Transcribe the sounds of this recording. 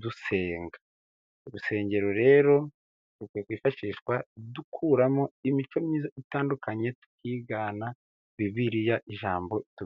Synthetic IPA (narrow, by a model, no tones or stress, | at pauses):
duse̞ːŋɡḁ | uɾuse̞ːɲɟe̞ɾo̞ɾe̞ːɾo̞ | tukwujekwiːfaʃiːʃwadukʰuːɾamo̞imit͡ʃo̞miːzaitaːndukʰaɲe̞tu̥kʰiːɡaːna | βiβiɾijaʔiʒaːmbo̞ʔitu